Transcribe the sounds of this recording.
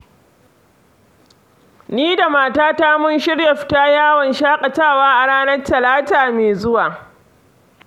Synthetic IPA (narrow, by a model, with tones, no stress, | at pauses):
niː˦da˨maː˦˨taː˦taː˦mʊ˦nʃɪ˦ɽjɐ˨ɸtaː˦jaː˦˨wɐ˨nʃaː˦kʼɐ˨t͡ʃaː˦˨waː˦ʔa˨ɽaː˦nɐ˦rtɐ˨laː˦taː˨meː˨zʊ˦waː˨